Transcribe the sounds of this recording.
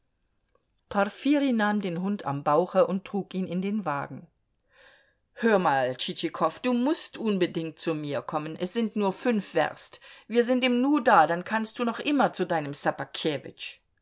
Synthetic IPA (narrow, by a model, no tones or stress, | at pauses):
pʰafiːʁinaːmdeːnɦʊnta̰mbaʊxəʔʊnttʁ̥uːkʔiːnɪndeːnva̰ːɡŋ̩ | høːɐmaːlt͡ʃit͡ʃikʰɔfd̥uːmʊstʔʊnbədɪŋt̚t͡sumiːɐkʰɔmənʔɛsz̥ɪntnuːɐfʏnfv̥ɛ̰ʁstviːɐzɪntiːmnuːɐdaːdankʰanst̚d̥uːnɔχʔɪmɐt͡sudaɪnəmsapakʰeːvɪ̰t͡ʃ